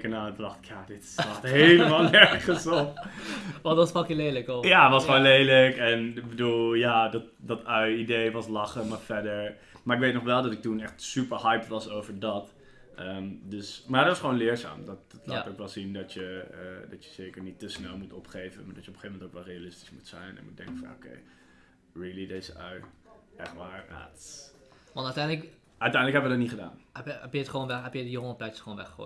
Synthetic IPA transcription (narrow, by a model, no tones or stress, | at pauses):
kənaːnətədɑχtɪ̥kjadɪtsɑxtɦejləmaːlˠnɛɹχənson | ɔdɔnspɑkjəlejləkɔjaʋɑsχʋoːnlejləkɛnɪbədulˠjadɔt | dɑtœɥidejʋɑslɑχəmaːɹfɛɹdəɹ | maːɹɪkʋejtnɔχʋɛlˠdɑtɪk̚tunɛχtsypəɹhɑjpʋɑsowvəɹdɑt | ʔəmdøsmaːətʋɑsχəʋoːnlɪːəɹza̰ːmdɑtdɔtlaːtowkʋɛlˠzindɔtjəədɑtjəz̥eːkəɹnitəsnɛlˠmutɔpχejvə̰nmaːɹdɔtjəɔpəχeːvəmɛntowkʋɛlˠrejalɪsti̥smutsɛ̰jnnɛ̰nmut̚dɛ̰ŋkəfɔno̰kʰḛj | rɪlˠideːzəʔœɥɛxtʋaːɹa̰t | ʋntatɛjnlək | œɥtɛjndləkɦhɛbəʋədɔtniχəda̰ːnɛpjɛpjəətχʋonʋɛɦɛpjədəjoŋəpɛjtsχəoːnʋɛxo̰